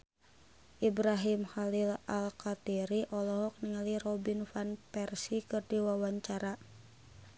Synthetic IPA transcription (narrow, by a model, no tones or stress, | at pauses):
ʔibɾaɦimxalilalkat̪iɾiʔɔlɔɦɔk̚niŋalirɔbinfanpɛrsikɨrdiwawaɲt͡ʃaɾa